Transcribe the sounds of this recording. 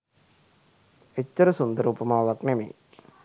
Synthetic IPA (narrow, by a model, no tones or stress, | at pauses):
et̪ʲːɐɾɐsund̪ɐɾuːpɐmaːʋɐknemḛjḭk